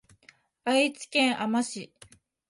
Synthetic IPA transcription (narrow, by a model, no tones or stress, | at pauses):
ait͡sɨ̥kẽ̞ɰ̃ʔamaɕi